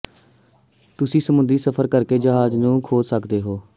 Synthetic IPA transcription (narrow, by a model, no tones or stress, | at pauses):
t̪ʊsĩːsəmʊ̃nd̪ɾiːsəpʰəɾkəɾkeːd͡ʒəɦaːznũːkʰoːd͡ʒsəkd̪eːɦoː